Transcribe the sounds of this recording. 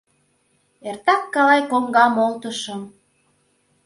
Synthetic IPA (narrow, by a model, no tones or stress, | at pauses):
ert̪ɑkːɑlɑjkoŋɡɑmolt̪əʃɤ̆m